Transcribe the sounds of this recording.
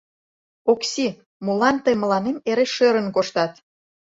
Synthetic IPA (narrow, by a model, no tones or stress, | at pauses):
oksʲi | mulɑnt̪əjmə̆lɑnemeɾeʃøɾə̆nkoʃt̪ɑt̪